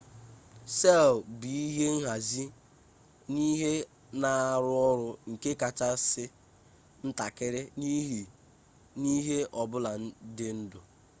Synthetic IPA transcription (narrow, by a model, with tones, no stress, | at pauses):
sɛ˦˨lbi˨i˦ɦe˦ŋ̩˦ɦa˨zi˦ | ni˦ɦe˦ | na˨ɾʊ˦ɔ˦ɾʊ˦ŋ̩˨ke˦ka˨t͡ʃa˦sɪ˦ | n̩˦ta˨kɪ˦ɾɪ˦ni˦ɦi˨ | ni˦ɦe˦ʔɔ˨bʊ˦la˨n̩˦dɪ˦n̩˦dʊ˨